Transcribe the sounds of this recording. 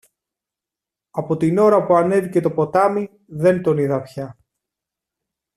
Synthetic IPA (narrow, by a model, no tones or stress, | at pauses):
ɐpo̞t̪ino̞ɾɐpuɐne̞ðice̞t̪o̞po̞t̪ɐmi | ðe̞nt̪o̞niðɐpçɐ